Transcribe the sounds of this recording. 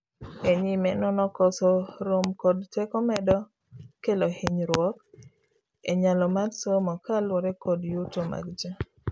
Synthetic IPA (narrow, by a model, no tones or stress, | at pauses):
eɲimɛnɔnɔkɔsɔɾomkɔdtɛkɔmɛdɔ | kelohiɲɾwɔk | eɲalɔmadsomɔkalwɔɾɛkɔdjotoma̰ɡd͡ʒa